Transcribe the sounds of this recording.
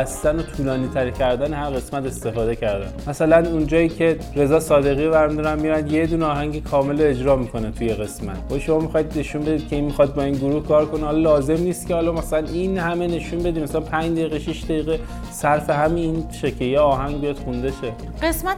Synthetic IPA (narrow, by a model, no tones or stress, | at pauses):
æst̪æno̞t̪ʰuːlɒːniːt̪ʰæɾcʰæɾd̪ænehæɾɣe̞smæt̪e̞st̪e̞fɒːd̪e̞cʰæɾd̪æ̰nmæsælænund͡ʒɒːiːcʰe̞ | ɾe̞zɒːsɒːd̪e̞ɣiːvæɾmid̪uɾæmmːiɾænd̪je̞d̪uneɒːɦæɲɟikʰɒːme̞loed͡ʒɾɒːmiːkʰo̞net̪ʰujeɣe̞smæ̰t̪ʰhojʃo̞mɒːmixɒːjid̪ne̞ʃunbe̞d̪iːd̪̚cʰe̞inmixɒd̪̚bɒːinɡoɾuːhkʰɒːɾko̞nihɒlɒlɒːze̞mniːst̪cʲehɒːlɒmæsælæninhæme̞ne̞ʃunbe̞d̪iːmæsælænpʰæɲd͡ʒd̪eiɣeʃiʃd̪æjiːɣe | sæɾfe̞ɦæmininʃecʰejeɒːɦæŋɡbijɒd̪xund̪et͡ʃʰe | ɢesmæ